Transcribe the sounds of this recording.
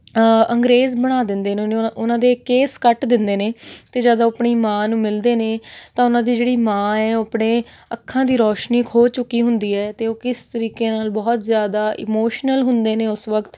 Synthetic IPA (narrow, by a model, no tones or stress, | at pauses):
əŋɡɾeːzbəɽ̃aːd̪ɪnd̪eːnnʊnãːd̪eːkeːskəʈd̪ɪnd̪eːneːt̪eːd͡ʒaːd̪aəpɳiːmãːnũːmɪld̪eːneːt̪ãːʊnãːd̪iːd͡ʒeːɽiːmãːɛːpɳeː | əkʰːãːd̪iːɾɔːʃniːkʰoːt͡ʃʊkːiːɦʊ̃nd̪iːɛːt̪eːoːkɪst̪əɾiːkeːnaːlbɔːt̪zjaːd̪aːʔɪ̰moːʃnəlɦʊnd̪eːneːʊsʋəkt̪